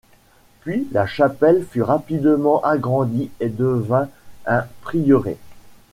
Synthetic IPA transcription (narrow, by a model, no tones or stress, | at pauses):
pɥilaʃapɛlfyʁapid̪əmɑ̃ʔaɡʁɑ̃d̪ied̪əvɛ̃ɛ̃pχijɔʁḛ